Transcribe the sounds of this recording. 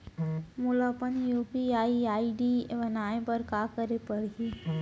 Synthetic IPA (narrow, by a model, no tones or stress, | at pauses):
mʊləpənjuːpiaːiaːiɖibənaːẽpəɾkakəɾepəɽɦi